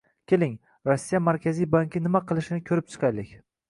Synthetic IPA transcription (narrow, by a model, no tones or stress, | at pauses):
kʲelɪŋ | ɾɒsːijamaɾkʲazijbaŋkʲɪnɪmaqʰɨlˠɪʃɪnɪkʲʰɵɾɪp̚t͡ʃʰɨ̥qʰajlɪkʲ